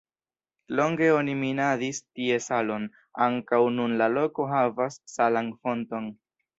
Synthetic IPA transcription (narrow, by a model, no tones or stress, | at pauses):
lo̞ŋɡe̞o̞niminadistie̞salo̞n | aŋkawnunlalo̞ko̞ɦavasːalanfo̞nto̞n